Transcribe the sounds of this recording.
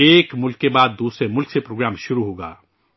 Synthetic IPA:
eːkmʊlkebaːd̪ːuːsɾemʊlksepɾoːɡɾaːmʃʊɾuɦoːɡa̰ː

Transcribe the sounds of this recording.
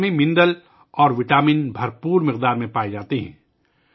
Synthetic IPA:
mẽmɪ̃nd̪əl | ɔːɾʋɪʈaːmɪnbʱɐɾpuːɾmɪqd̪aːɾmẽpaːed͡ʒaːt̪eɦɛ̃ː

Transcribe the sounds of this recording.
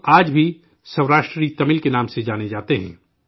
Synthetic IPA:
aːd͡ʒbʱi | sɐʋɾaːʃʈɾəiːt̪ɐmɪlkenaːmsed͡ʒaːned͡ʒaːt̪eɦɛ̰̃ː

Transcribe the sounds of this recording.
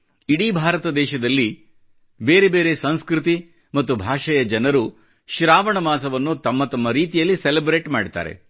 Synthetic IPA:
iɽiːbʱaːɾɐt̪ɐd̪ɛːʃɐd̪ɐlːi | be̞ːɾebe̞ːɾe̞sɐ̃ñskɾit̪i | mɐt̪ːubʱaːʂɐjɐd͡ʒɐnɐɾu | ʃɾaːʋɐɳɐmaːs̬ɐʋɐnːut̪ɐmːɐt̪ɐmːɐɾiːt̪ijɐlːiselebɾeːʈmaːɽit̪a̰ːɾḛ

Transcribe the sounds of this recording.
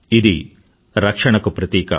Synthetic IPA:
id̪i | ɾɐkʂɐɳɐkːupɾɐt̪iːkɐ̰

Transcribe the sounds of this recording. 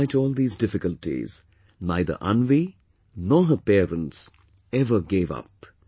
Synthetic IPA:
ɪtɔːlˠd̪iːzdɪfɪkəltḭz̥ | naɪd̪ə̰ʔã̰nʋi | nɔːɦəpɛːɾə̃nts | ɛvəɡeːvʌ̰p̚

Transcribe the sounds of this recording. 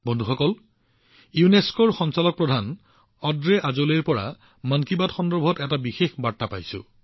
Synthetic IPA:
bɔndʱuxɔkɔl | juneskɔɹxɔnsalɔk̚pɹɔdʱan | ɔdɹeʔazoleɹpɔɹa̰ | mənkibadxɔndɔɹbʱɔtɛtabixexbaɹtapajsʊ̰̃

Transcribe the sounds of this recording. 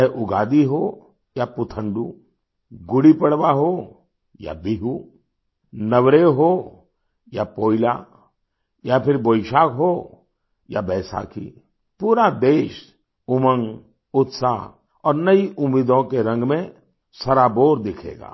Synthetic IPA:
ʔʊɡaːd̪iɦo | japʊt̪ʰə̃ɳɖṵ | ɡʊɽipɐɽʋaɦo | ja̰biɦu | nɐʋɾeɦo | japoːɪla̰ | japʰɪɾboːɪʃaːkɦoː | ja̰bɛːsa̰kḭ | puːɾad̪eːʃ | ʊmə̃ŋ | ʊt̪sa | ɔːɾnɐiʔʊmːiːd̪õkeɾɐ̃ŋɡmẽ | sɐɾaboːɾd̪ɪkʰḛːɡa̰ː

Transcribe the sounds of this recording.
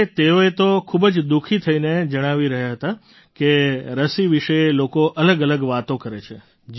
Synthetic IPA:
t̪eoet̪okʰubd͡ʒd̪ukʰit̪ʰəined͡ʒəɽ̃aʋiɾəɦjaɦət̪a | keɾəsiʋiʃəelokoʔələɡələɡʋat̪okəɾet͡ʃʰe

